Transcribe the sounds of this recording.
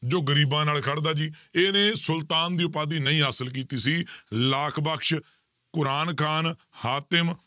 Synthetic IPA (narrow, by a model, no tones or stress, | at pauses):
d͡ʒoːɡəɾiːbãːnaːlkʰəɽd̪aːd͡ʒiːeːnẽːsʊlt̪aːnd̪iːʊpaːd̪iːnəĩːɦaːsəlk̬iːt̪iːsiːlaːkʰbəkʃ | kʊɾaːnkʰaːn | haːt̪ɪm